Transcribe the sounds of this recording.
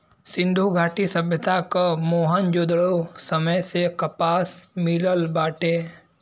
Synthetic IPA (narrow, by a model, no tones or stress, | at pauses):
sɪ̃nd̪ʱuɡʱaːʈisəbʱjət̪akamoːɦənd͡ʒoːd̪ɭosəməjsekɐpaːsmiləlbaːʈe